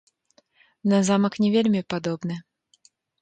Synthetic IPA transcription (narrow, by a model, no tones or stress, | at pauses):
nɐzamɐknʲɛvʲelʲmʲipad̪ɔbnɨ